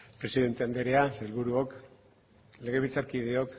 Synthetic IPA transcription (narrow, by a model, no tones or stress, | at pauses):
pɾe̞siðe̞nt̪e̞and̪eɾeaselβuɾuo̞k | le̞ɣ̞e̞β̞it͡saɾkiðeo̞k